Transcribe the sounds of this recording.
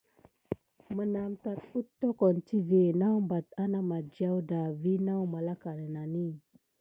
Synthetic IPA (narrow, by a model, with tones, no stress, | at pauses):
mə˨na˨mta˨t̚u˦tːo˦ko˨nti˦ve˨na˦wmba˨ta˦na˦ma˨d͡ʒa˦wda˨vi˦na˦wma˨la˦ka˨nə˨na˨ni˦˨